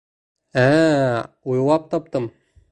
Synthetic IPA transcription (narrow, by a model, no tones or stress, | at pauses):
æ | ujwɑp̚t̪ɑp̚t̪ɤm